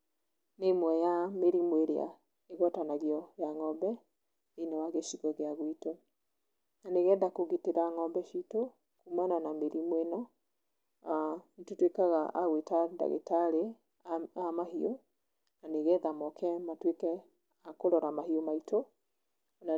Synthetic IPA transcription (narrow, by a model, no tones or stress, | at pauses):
nemwɛjameɾimweɾea̰ | eɣɔtanaɣiɔjaŋɔmbɛ | enewaɣeʃiɣɔɣeaɣwito | naneɣɛːðakoɣiteɾaŋɔmbɛʃito | kumananameɾimwenɔ | ntotwekaɣaa̰ɣwetada̰ɣḛtaɾe | amaɦio | naneɣɛðamɔkʰɛmatwekɛ | akoɾɔɾamaɦiomaito | na